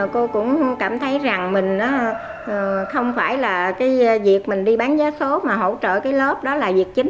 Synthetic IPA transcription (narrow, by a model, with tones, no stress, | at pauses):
ko˧kʊ̰˧˥ŋ͡mkaː˧˩mt̪ʰə˨˦jza˨˩ŋmï˨˩ŋ̟ʔaː˨˦ | ʔːxə˧wŋ͡mfaː˧˩jlaː˨˩kaː˨˦jvi˨˩ək̚mï˨˩ŋ̟ɗi˧ɓaː˨˦nzaː˨˦so˨˦maː˨˩ɦo̰˧˩t͡ɕə̰ː˧˨kaː˨˦jlə˦˥p̚ɗɔ˨˦laː˨˩vi˨˩ək̚t͡ɕï˨˦ŋ̟